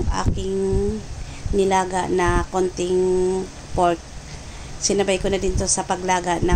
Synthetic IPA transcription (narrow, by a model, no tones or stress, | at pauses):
ŋʔa̰ːkɪŋ | nɪlaːɡa̰ʔnɐkont̪ɪŋ | poɾt̪̚ | sɪnɐbajkonɐd̪ɪnt̪o̞sɐpɐɡlaːɡaʔnɐ